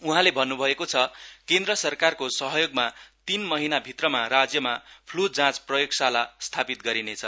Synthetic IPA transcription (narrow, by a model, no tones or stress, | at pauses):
uɦãlebʱʌnːubʱʌekot͡sʰʌkend̪rʌsʌrkarkosʌɦʌjoɡmat̪inmʌɦinabʱit̪rʌmaɾad͡zjʌmapʰlut̪̚d͡zãt͡sprʌjoɡsalast̪ʰapit̪̚ɡʌɾinet͡sʰʌ